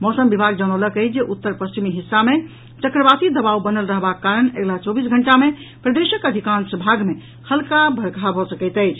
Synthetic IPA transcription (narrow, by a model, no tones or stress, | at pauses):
mɔsəmbibʱaɡ̚d͡ʒañələkəd͡ʒeʔut̪ːəɾpəst͡ʃimiɦisːame | t͡ʃəkɾəbasid̪əbawbənəlɾəɦbakaɾəneɡlat͡ʃɔbisɡʱəɳʈame | pɾəd̪esəkəd̪ʱikansəbʱaɡme | hʰəlkabʱəɾɡʱabʱɔsəkɛɪt̪əɪt͡ʃʰ